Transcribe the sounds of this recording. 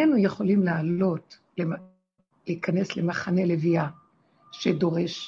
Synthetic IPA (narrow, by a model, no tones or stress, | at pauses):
enujeχo̞limlaːlo̞t | le | liːkane̞sle̞maχane̞levia | ʃedo̞ʁe̞ʃ